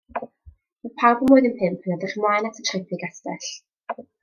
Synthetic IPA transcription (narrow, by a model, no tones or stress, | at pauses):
məpʰawbəmʊːjðinpʰɪmpʰənadɪχmwajnatʰə̥tʰrɛpʰɪɡastɛ̰ɬ